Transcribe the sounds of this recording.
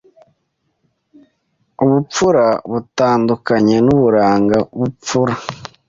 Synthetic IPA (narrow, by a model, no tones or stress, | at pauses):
uβup͡fuɾaβutaːndukaɲe̞nuβuɾaːŋɡaβup͡fuɾa